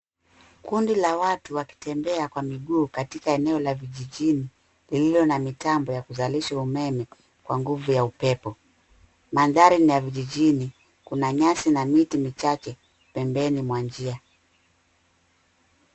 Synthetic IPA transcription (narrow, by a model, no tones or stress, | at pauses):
kundilawatuwaki̥tɛmbɛakwamiɠuːkatikaɛnɛɔlaviʄiʄini | lililɔnamitambɔjakuzaliʃaumɛmɛ | kwaŋɡuvujaupɛpɔ | manðaɾinijaviʄiʄini | kunaɲasinamitimit͡ʃat͡ʃɛ | pɛmbɛnimwand͡ʒia